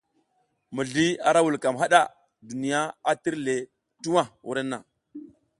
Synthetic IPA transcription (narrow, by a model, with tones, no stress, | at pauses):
mu˨ɮi˦a̰˨ɾa˦wu˨lka˨mɦa˦ɗa˦ | du˨ni˨ja˦a˦ti˦ɾle˨ | tu˦wa˦˨wṵ˦ɾe˦nːa˨